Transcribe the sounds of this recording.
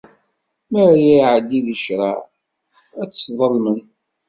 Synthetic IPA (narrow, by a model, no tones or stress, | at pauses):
məɾajæʕəd̪ːiðəʃɾˤɑ | æt͡sːsðˤəlmən